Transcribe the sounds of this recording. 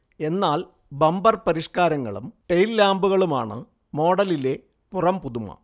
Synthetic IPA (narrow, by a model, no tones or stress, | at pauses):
e̞nːaːl | bɐmbɐrpɐɾiʂkaːɾɐŋːɐ̰ɭṵmʈejlːaːmbuɣɐɭuma̰ːɳɨ̰ | mo̞ːɽɐlile̞ | purɐmpuðumɐ̰